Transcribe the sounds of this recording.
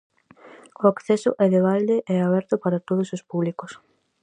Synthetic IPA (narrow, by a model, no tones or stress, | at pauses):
oakθɛsʊʔɛðeβ̞ald̪eʔɛaβ̞ɛɾt̪ʊpaɾat̪oð̞ʊsospuβlikos